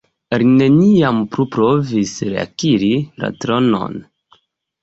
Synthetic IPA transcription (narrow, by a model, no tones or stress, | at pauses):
eɾne̞niampɾupɾo̞visɾe̞a̰kiɾiɾa̰tɾo̞no̞̰n